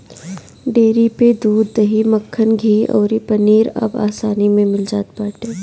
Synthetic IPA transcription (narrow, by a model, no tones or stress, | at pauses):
ɖeːɾiped̪uːd̪ːɐɦimɐkʰːənɡʱiːɔ̰ːɾipɐniːɾɐ̰ba̰ːsaːnimẽmɪld͡ʒaːt̪̚baːʈeː